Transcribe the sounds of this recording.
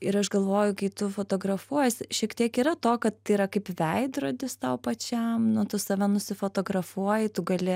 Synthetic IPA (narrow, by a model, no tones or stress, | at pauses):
ɪɾɐʃɡɐlˠʋoːjʊkɐɪt̪ʊfoːt̪oːɡɾɐfuɔjsʲɪʃʲiɛkt̪ʲiɛkiːɾɐt̪oːkɐt̪ːɐɪɾɐkɐɪpʋʲɛɪd̪ɾoːd̪ʲɪst̪ɐʊpɐt͡ʃʲɛmnʊt̪ʊsɐʋʲɛnʊsʲɪfoːt̪oːɡɾɐfuɔjɪt̪ʊɡɐlʲɪ